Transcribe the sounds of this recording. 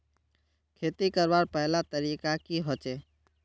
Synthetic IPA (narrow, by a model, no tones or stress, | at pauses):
kʰeːt̪ikəɾbaːɾpɛɦlat̪əɾiːkakiɦot͡ʃeː